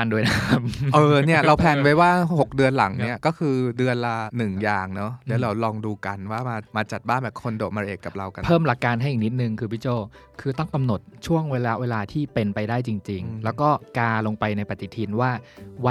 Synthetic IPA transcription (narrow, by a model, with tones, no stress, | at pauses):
a˧ndu˧jna˥mʔɤː˧ni˥˩ɐɾa˧wpʰɛː˧˩nwa˦˥jwaː˥˩ho˨˩k̚dɯ˧ənla˨˩˦ŋni˥ɐkɔː˥˩kʰɯː˧dɯ˧ənlaː˧nɯ˨˩ŋjaː˨˩ŋnɔ˦˥lɛː˦˥wɾa˧wlɔː˧ŋduː˧ka˧nwaː˥˩maː˧maː˧t͡ɕa˨˩t̪̚baː˥˩nbɛː˨˩p̚kʰo˧ndoː˨˩t̪̚ma˧ʔeː˨˩kːa˨˩p̚ɾa˧wka˧pʰɤː˥˩mla˨˩kːaː˧nɦa˥˩ja˨˩ni˦˥t̪̚nɯ˨˧ŋkʰɯː˧bwi˦˥˩t͡ɕoː˥˩ | kʰɯː˧t̪ɔ˥˩ŋka˧mno˨˩t̪̚t͡ɕʰu˥˩əŋweː˧la˦˥weː˧laː˧t̪ʰiː˥˩pe˧npa˧jdaː˥˩jt͡ɕi˧ŋt͡ɕi˧ŋlɛː˦˥wkɔː˥˩kaː˧lo˧ŋpa˧jna˧jpa˨˩t̪ːi˨˩t̪ʰiː˧nwaː˥˩wa˦˥